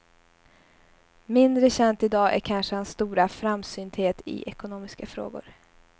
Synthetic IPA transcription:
mɪnd̪ɾəɕɛnt̪ɪd̪ɑːʔæ̰ɾkʰanʂəhansːt̪uːɾafɾamsyːnd̪heːt̪ɪ̰ʔɛkʊnoːmɪskafɾo̰ːɡʊ̰ɾ

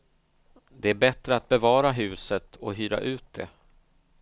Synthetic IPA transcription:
d̪ɛæɾbɛt̪ɾəat̪̚bɛvɑːɾaɦʉ̟ːsət̪ʰɔɦyːɾa̰ʔʉ̟ːt̪̚d̪ɛ̰

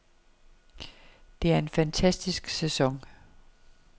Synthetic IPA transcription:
d̥e̝æɐe̝nfænt͡sʰæsd̥isɡ̥sesɒ̽ŋ

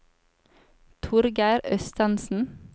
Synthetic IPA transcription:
t̪ʰʊɾɡæɪɾœst̪ɑnsn̩

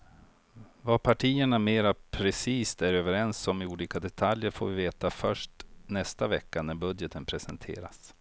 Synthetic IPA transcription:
vapʰaʈʰiːəɳameːɾapʰɾɛsiːst̪æɾøːvəɾɛnsɔmɪuːliːkad̪ɛt̪ʰaljəɾfo̰ːvɪveːt̪afœʂʈnɛst̪avɛkːanæɾbɵd̪jət̪ʰənpʰɾɛsɛnt̪ʰḛːɾa̰s

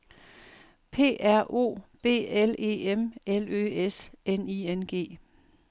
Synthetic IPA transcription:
pʰe̝̰ːæɐ̰ʔo̝̰ːb̥e̝̰ːele̝̰ːemelø̰esʔeniːenɡ̥e̝̰ː

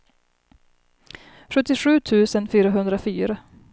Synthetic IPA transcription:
ɧɵt̪ːɪɧʉ̟ːt̪ʰʉ̟ːsənfyːɾaɦɵnd̪ɾafyːɾa

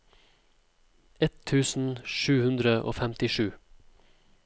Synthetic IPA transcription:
ɛt̪ʰːʉːsn̩ʃʉːhʉnd̪ɾəʔo̰ːfɛmt̪ɪʃʉː

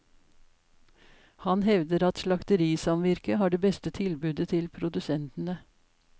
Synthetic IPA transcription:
hɑnhɛʋd̪əɾɑt̪ʃlɑkt̪əɾiːsɑmʋɪɾkəhɑːɖeːbɛst̪ət̪ʰɪlbʉːd̪ət̪ʰɪlpʰɾʊd̪ʉsɛnt̪n̩ə

